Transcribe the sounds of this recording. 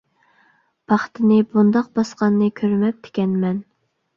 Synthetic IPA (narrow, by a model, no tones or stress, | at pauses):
b̥ɑχt̪ʰɪnɨbund̪ɑq̚bɑsqɑnːɨkʲʰøɾmɛp̚t̪ʰe̥kʲɛnmɛn